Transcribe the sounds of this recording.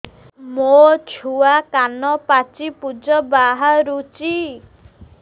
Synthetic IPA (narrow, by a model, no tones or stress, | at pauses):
mot͡ʃʰuakanɔpat͡ʃipud͡ʒɔbaɦaɾut͡ʃi